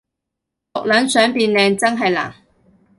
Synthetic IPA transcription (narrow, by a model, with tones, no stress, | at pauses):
lʊ˨k̚lœ˨˥nsœː˨˥ŋpiː˧nlɛː˨˧ŋt͡sɐ˥ŋɦɐ˨jla̰ː˨˩ŋ